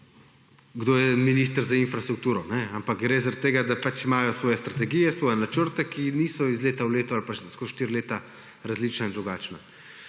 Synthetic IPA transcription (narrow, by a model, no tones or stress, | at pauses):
ɡd̪oːjɛminiːst̪əɾzainfɾast̪ɾuk̚t̪uːɾɔnɛampakɡɾeːzaɾat̪ːeːɡad̪apat͡ʃimaːjɔsʋɔːjɛst̪ɾat̪ɛɡijɛsʋɔːjɛnat͡ʃəɾt̪ɛkiniːsɔizleːt̪awleːt̪ɔalpaʃskoʃt̪iɾileːt̪a | ɾazliːt͡ʃnaind̪ɾuɡaːt͡ʃna